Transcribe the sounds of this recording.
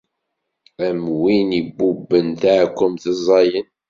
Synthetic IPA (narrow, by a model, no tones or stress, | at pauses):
æmwinibːubːənθaʕkʷːʊmθəzˤːɑjən